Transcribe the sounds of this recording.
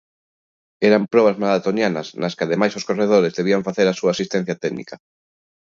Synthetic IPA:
ɛɾampɾɔβ̞ɐzmalat̪onjanɐsnɐskɪaðemajsoskoreð̞oɾezðeβiaɱfaθeɾasuasist̪ɛ̃n̟θjɐt̪ɛɡnḭkɐ

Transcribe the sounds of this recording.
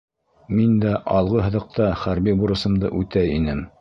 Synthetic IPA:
mind̪æʔɑlˠʁɤɦɤ̆ðɤ̆q̚t̪ɑχæɾbibuɾɤ̆sɤ̆md̪ɤ̰ʔʉt̪æjinɘm

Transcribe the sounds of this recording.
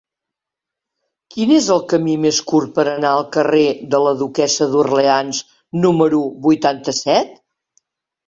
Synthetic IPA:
kinezəlˠkəmimeskuɾt̪̚pəɾənaəlˠkəreðələðukɛsəðurleanz | numəɾuβujt̪ant̪əsɛt̪

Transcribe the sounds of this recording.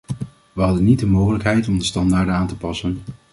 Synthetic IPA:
ʋəɦɑdənit̚dəmowχələkɦɛjtɔmdəstɑndaːɹdənaːntəpɑsən

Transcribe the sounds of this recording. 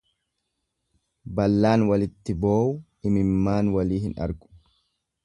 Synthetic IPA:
bɐlːaːnwɐlɪt̪ːɪboːʊ | ɪmɪmːaːnwɐliːhɪnɐ̰ɾɡʊ̥

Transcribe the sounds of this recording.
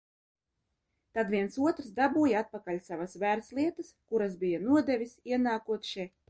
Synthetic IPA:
t̪ad̪vʲiɛnsuɔt̪ɾzd̪abuːjaat̪̚pakalʲsavasvæɾslˠiɛt̪askuɾasbijanuɔd̪ɛvʲisiɛnaːkuɔt̪ʃɛ

